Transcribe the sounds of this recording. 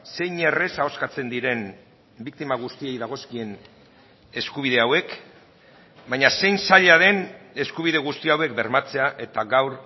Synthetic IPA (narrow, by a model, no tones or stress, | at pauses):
se̞jɲe̞re̞sao̞skat͡se̞nd̪iɾe̞n | bik̚t̪imaɣ̞ust̪ie̞jðaɣ̞o̞skie̞n | e̞skuβ̞ið̞e̞awe̞k | bajɲase̞jnsaʎaðe̞ne̞skuβ̞iðe̞ɣ̞ust̪iawe̞k̚be̞ɾmat͡se̞aʔe̞t̪aɣawɾ